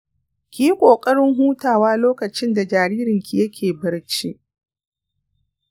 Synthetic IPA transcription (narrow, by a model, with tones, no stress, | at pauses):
kʲiː˦kʷʼoː˨kʼɐ˦ɽɪ˦ŋɦuː˦taː˨waː˦loː˦kɐ˨t͡ʃɪ˦nda˨d͡ʒaː˨ɾiː˦ɾɪ˨ŋkʲi˨jɐ˦kʲʰeː˨bɐ˦ɽt͡ʃi˦ʔ